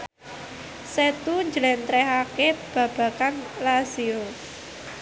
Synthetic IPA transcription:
set̪uɲd͡ʒəlɛnt̪ɾɛɦakeb̥ä̤b̥ä̤kanlazio

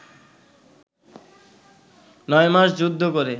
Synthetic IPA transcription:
nɔemaʃd͡ʑud̪ʱːokoɾe

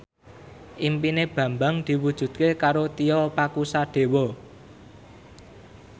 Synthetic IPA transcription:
ʔimpineb̥ä̤mbaŋd̪̥i̤wud̥ʒ̥ṳd̪̚kekaɾot̪iɔpakusaɖ̪̥e̤wɔ

